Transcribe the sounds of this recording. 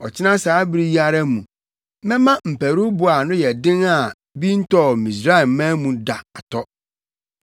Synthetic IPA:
ɔ˨t͡ɕʰɪ˦nã˦saː˨˦bɾi˦ji˦a˨ɾa˦mũ˨ | mɛ̃˦mã˦m̩˨pʰæ˨ɾu˦bʊ˨a˨nʊ̃˦jɛ˨dɪ̃˦ŋa˨ | bi˦n̩˦tʰɔ˦˨mĩ˨s̬ɾa˦ɛ˨˦mãː˦mũ˨da˨a˨tʰɔ˦

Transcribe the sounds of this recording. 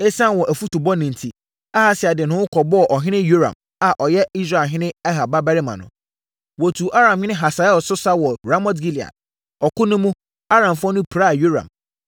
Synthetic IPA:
e˦sã˦nwɔ˨ʔæ˨fu˦tu˨bɔ˦nĩ˨n˨tʰi˨ | a˦ha˦sɪ˨a˨dɪ˨nʊ̃˦ʊ˦kʰɔ˨bɔ˦ɔ˨ʔɔ˨ɦɪ̃˦nɪ̃˦jo˦ɾã̰˨m | a˨ʔɔ˨jɛ˦i˦s̬ɾa˦˨ɦɪ̃˦nɪ̃˦ɛ˦ɦa˨ba˦bæ˦ɾɪ˦mã̰˨nʊ̰̃˨ | wɔ˨tʰu˨ʔa˦ɾã˨mhɪ̃˦nɪ̃˦ɦa˨sa˨ɛ˦ɔ˨sʊ˦sa˦wɔ˨ɾa˦mɔ˦t̬ɡi˦li˨a̰˨t | ɔ˨kʰʊ˦nʊ̃˦mũ˦ | a˦ɾã˨mfɔ̃˦nʊ̃˦pʰɾa˦˨jo˦ɾã̰˨m

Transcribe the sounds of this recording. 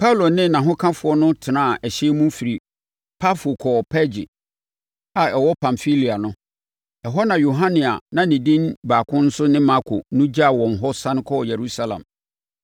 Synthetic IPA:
pʰa˦u˦lo˨nɪ̃˦˨nã˨ɦʊ̃˦kʰã˦fʊ˨˦ɔ˦nʊ̃˦tʰɪ˨nãː˦a˨ʔɛ˨ɕɛ˦mũ˦fi˨ɾi˨ | pʰa˦fo˨kʰɔ˨pʰɛ˦d͡ʑɪ̰˨ | a˨ɛ˨wɔ˦pʰã˨mfi˦li˨a˨nʊ̃˦ | ɛ˨ɦɔ˦nã˨jo˨ɦã˦nɪ̃˨a̰˨nã˨nɪ̃˨dĩ˦nbaː˨kʰʊ̃˦n̩˦sʊ˦nɪ̃˦ma˦kʰʊ̰˨nʊ̃˦d͡ʑa˦a˨wɔ̃˨nɦɔ˦sã˦n˦kʰɔ˦˨jɛ˨ɾu˦sa˦lã̰˨m

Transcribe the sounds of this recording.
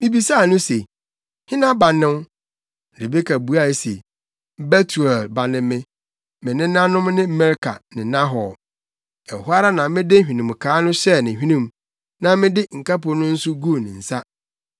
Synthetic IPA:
mɪ̃˦bi˨sa˦˨nʊ̃˦se˨ | hɪ̃˦nã˦ba˨nɪ̃˦n˦ | ɾe˨be˦kʰa˨bu˨a˦˨e˨sḛ˨ | bɛ˦tʰu˨ɛ˨lba˨nɪ̃˦mɪ̃˦ | mɪ̃˨nɪ̃˦nã˦nʊ̃˦mnɪ̃˦mɛ˦ɾkʰa̰˨nɪ̃˨nã˦ɦɔ˨ | ɛ˨hʊ˦a˦ɾa˦nã˨mɪ̃˦dɪ˦hᶣĩ˨nĩ˨m˨kʰaː˨˦nʊ̃˦ɕɛ˦nɪ̃˨ɦᶣĩ˦nĩ˦m | nã˦mɪ̃˦dɪ˦ŋ̩˨ka˦pʊ˨nʊ̃˦n̩˦sʊ˦ɡu˦˨nɪ̰̃˨n̩˨sa˦

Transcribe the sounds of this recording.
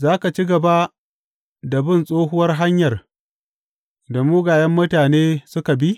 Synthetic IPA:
zaː˦ka˨t͡ʃi˦ɡɐ˨ba˦ | da˨bɪ˦˨nsʼoː˦ɦʊ˦wɐ˦rɦa˦ɲjɐ˨r | da˨muː˦ɡaː˨jɐ˦mːʊ˦taː˨neː˦sʊ˦ka˨bi˦

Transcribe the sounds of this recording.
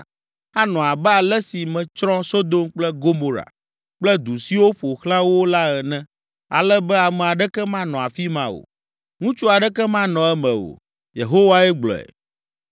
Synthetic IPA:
a˦nɔ̃˨a˨bɛ˦a˨lɛ˦si˨mɛ̃˨t͡ʃɾɔ̃˦so˦d̪o˦mk͡plɛ˦ɡo˦mo˨ɾa̰˨ | k͡plɛ˦d̪u˨si˦wo˦ɸo˨xlã˦wo˦la˦ɛ˨nɛ̃˦ | a̰˨lɛ˦bɛ˦a˨mɛ˨a˨ɖɛ˦kɛ˦mã˦nɔ̃˨a˨fi˦mã˦wo̰˨ | ŋũ˦t͡ʃu˦a˨ɖɛ˦kɛ˦mã˦nɔ̃˨ɛ˦mɛ̃˨o̰˨ | jḛ˨ɦo˦wa˦ɛ˦ɡ͡blɔ̰˨ɛ̰˨

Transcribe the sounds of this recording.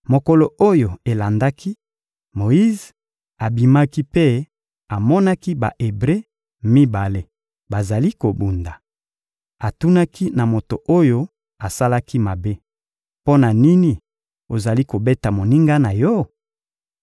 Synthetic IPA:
mo˨ko˨lo˨o˦jo˨e˨la˨nda˦kʰi˦ | mo˨i˦z | a˨bi˨ma˦ki˦pe˦ | a˨mɔ˦na˦ki˦ba̰˨ʔe˨bʁe˦ | mi˦ba˨le˦ | ba˨za˨li˦ko˨bu˨nda˨ | a˨tu˦na˦kʰi˦na˨mo˨to˨ʔo˦jo˦ | a˨sa˦la˦ki˦ma˨be˦ | po˦na˨ni˦ni˨ | o˨za˨li˦ko˨be˦ta˨mo˨ni˦ŋɡa˦na˨jɔ˦

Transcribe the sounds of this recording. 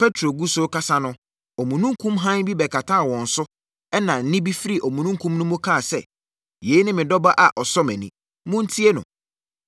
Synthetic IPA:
pʰɛ˦tʰɾo˨ɡu˦so˦kʰa˦sa˦nʊ̃˦ | ɔ˨mũ˨nũ˦ŋkʰũ˦mɦã˦nbi˦bɛ˨kʰa˨tʰa˦a˨wɔ̃˨n̩˨sʊ˦ | ɛ˦nã˨n̩˦nɪ̃˦bi˦fi˦ɾi˦ʔɔ˨mũ˨nũ˦ŋ˦kʰũ˦mnʊ̃˦mʊ̃˦kʰa˦˨sɛ̰˦ | je˨˦i˦nɪ̃˦mɪ̃˨dɔ˦ba˦ʔa˨ʔɔ˨sɔ˦mɛ̃˨nĩ˦ | mʊ̃˦n̩˦tʰi˦e˦nʊ̰̃˨

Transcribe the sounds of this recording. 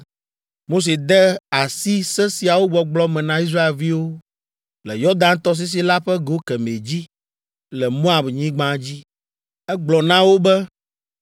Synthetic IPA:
mo˦s̬e˨d̪ɛ˦a˨si˦sɛ˦si˨a˨wo˦ɡ͡bɔ˨ɡ͡blɔ˦mɛ̃˨nã˦i˦s̬ɾa˦e˨lvi˦wo˦ | lɛ˨jɔ˦d̪ã˦nt̪ɔ˦s̬i˦s̬i˦la˦ɸɛ˦ɡo˦kɛ˨me˨d͡ʑi˦ | lɛ˨mõ˦a˨bɲĩ˦ɡ͡bã˦d͡ʑi˦ | ɛ˦ɡ͡blɔ˨nã˦wo˦bɛ˦

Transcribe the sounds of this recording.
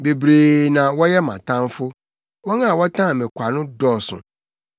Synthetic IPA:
be˨bɾeː˨nã˨wɔ˦jɛ˦mã̰˨tʰã˦n˦fʊ˦ | wɔ˦ŋã˦˨wɔ˦tʰã˦˨mɪ̃˨kʷʰa˨nʊ̃˦dɔ˦˨sʊ̰̃˨

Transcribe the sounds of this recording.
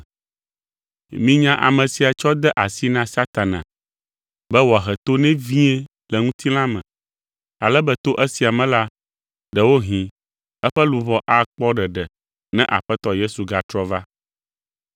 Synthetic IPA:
mĩ˦ɲã˦ʔa̰˨mɛ̃˨si˨a˨t͡ʃɔ˦d̪ɛ˦ʔa˨si˦nã˦sa˦t̪a˨nã̰˨ | bɛ˦wɔ˨a˨ɦɛ˨t̪o˦nɛ̃˦vĩ˦ɛ˦ | lɛ˨ŋũ˦t̪ʰi˦l̃ã˦mɛ̰̃˨ | a˨lɛ˦bɛ˦t̪o˦ʔɛ˦si˨a˨mɛ̃˨la˦ | ɖɛ˨wo˦ɦĩ˨ | ɛ˦ɸɛ˦lu˨βɔ˦ʔa˦k͡pɔ˦ɖɛ˨ɖɛ˨ | nɛ̰̃˦ʔa̰˨ɸɛ˦t̪ɔ˦je˦su˨ɡa˨t̪ɾɔ˦va˦

